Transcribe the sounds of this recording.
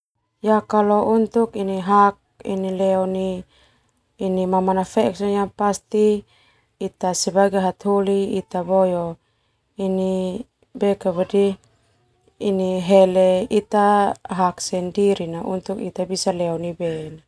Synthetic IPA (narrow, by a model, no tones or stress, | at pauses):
jakalɔunt̪ukiniɦak̚ḭnilɛɔni | nimamanafɛksɔnjapast̪iː | t̪asɛbaɡaɦat̪ɦoliːt̪abɔjɔ | ini | bɛkaβadi | iniɦɛlɛit̪aɦaksɛndiɾinaʔṵnt̪ukḭt̪abisalɛɔnibɛna